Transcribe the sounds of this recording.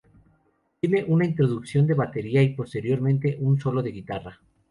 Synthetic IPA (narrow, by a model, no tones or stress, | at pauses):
t̪je̞ne̞ʔunaint̪ɾo̞ðuksjo̞nd̪e̞βat̪e̞ɾiaipo̞st̪e̞ɾjo̞ɾmẽnt̪e̞ʔunso̞lo̞ðe̞ɣit̪ara